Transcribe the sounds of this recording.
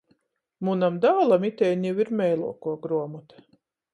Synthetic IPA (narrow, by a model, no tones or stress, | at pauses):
munamd̪aːlˠamit̪ɛjnjiwiɾmɛjlˠṵɔkuɔɡɾuɔmut̪